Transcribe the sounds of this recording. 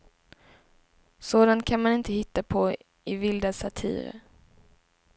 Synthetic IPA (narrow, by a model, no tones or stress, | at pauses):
soːd̪ant̪̚kʰanmanɪnt̪əhɪt̪ːapʰɔ | ɪvɪld̪asat̪ʰḭːɾə̰ɾ